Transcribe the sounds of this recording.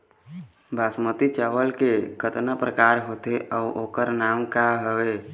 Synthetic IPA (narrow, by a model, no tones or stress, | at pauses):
bʱaːsmət̪it͡ʃəʋəlkekʰət̪napɾəkaːɾɦot̪eʔəːʔoːkəɾnaːmkaɦəʋe